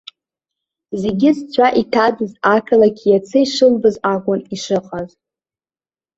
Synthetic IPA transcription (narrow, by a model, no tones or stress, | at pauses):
zeɡʲɪzt͡sʷʰaʔitʰadɨzakʰalakʲʰjat͡sʰɨiʂɨlbɨzakʷʼʊniʂɨqʼaz